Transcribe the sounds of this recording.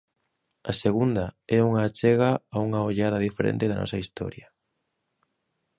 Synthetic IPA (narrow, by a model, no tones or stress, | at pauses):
ɐseɣund̪ɐɛuŋaːt͡ʃɛɣaauŋaoʎaðɐðifeɾḛ̃nt̪ɪðɐnɔ̰sɐist̪ɔ̰ɾjɐ